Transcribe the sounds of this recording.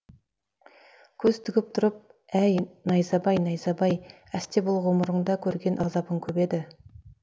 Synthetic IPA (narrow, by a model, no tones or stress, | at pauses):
kʲʰɵz̥t̪ʰʏɡʲɪp̚t̪ʰʊɾəp̚ | æjnɑjzɑbɑjnɑjzɑbɑj | æst̪ebʊlˠʁoməɾəɴd̪ɑkʲʰɵɾɡʲe̞nʔɑzɑpəŋkʲʰɵbe̞d̪ɪ